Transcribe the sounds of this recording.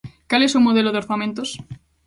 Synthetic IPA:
kale̞sumoð̞eloðeoɾθamẽnt̪os

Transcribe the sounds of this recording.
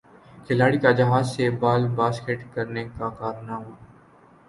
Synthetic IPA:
kʰɪlaːɽikad͡ʒɐɦaːzsebaːlbaːskeʈkɐɾnekakaːɾnaɦoː

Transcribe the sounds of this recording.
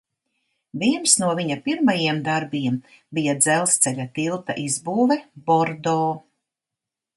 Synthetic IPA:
viɛnsnuɔviɲapiɾmajiɛmd̪aɾbiɛm | bijad̪zɛlˠst̪sɛʎʲat̪ilˠt̪a̰ʔizbuːvɛbɔɾd̪ɔː

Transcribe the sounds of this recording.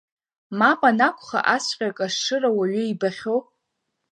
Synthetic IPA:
mapʼanakʷʰʼχa̰ʔasqʲʼakʼaʂʂɨrawaɥʏibaχʲow

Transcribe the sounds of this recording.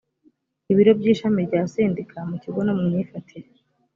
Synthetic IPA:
iβiɾo̞bɟiːʃamiɾɟaːseːndikʰamuciɡo̞no̞mumɲiːfatʰiɾe

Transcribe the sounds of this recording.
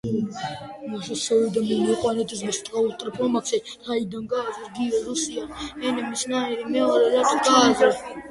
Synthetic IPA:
maʃɔsɔid̪amimɔqʼwanɛt̪ʰʼɛsmɛst̪ʼɾaust̪ʼɾipʰɔmaksɛt̪ʰaid̪anɡaːzɛɾɡiɛɾusianɛnɛmisnaɛɾimɛɔɾɛɾat̪ʼɔɡaːzɛ

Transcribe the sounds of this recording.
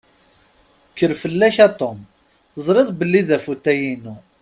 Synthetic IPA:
kːəɾfəlːæçæt̪ˤom | zˤɾɪðˤbəlːiðæfut̪ːæjinu

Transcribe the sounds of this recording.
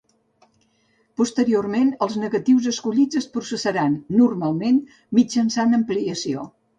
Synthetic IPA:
pust̪əɾiormenəlˠznəɣət̪iwzəskuʎid͡zəspɾusəsəɾanːurmalˠmen | mid͡ʒənsand̪əmpliəsio̰

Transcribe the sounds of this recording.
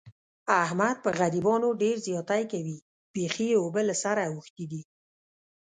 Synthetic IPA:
ahmad̪̚pəɣaɾibɑnoɖeɾzjɑt̪ajkawi | b̥exiobəlasaɾaːwəxt̪id̪i

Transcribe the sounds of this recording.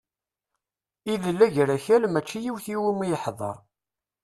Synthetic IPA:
iðəlːæʝɾæçælmæt͡ʃːijiwθiwimijəħðˤɑ̰ɾˤ

